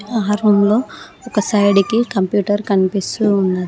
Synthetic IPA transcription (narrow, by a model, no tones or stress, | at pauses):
aːɦaɾumlo̞ː | ɔkɐsɐjɽikikɐmpjuːʈɐɾkɐnipisuːnːɐɾ